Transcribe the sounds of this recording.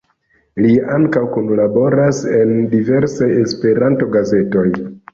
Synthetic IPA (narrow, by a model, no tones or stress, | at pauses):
liaŋkawkunlabo̞ɾase̞ndive̞ɾsaje̞spe̞ɾanto̞ɡaze̞to̞j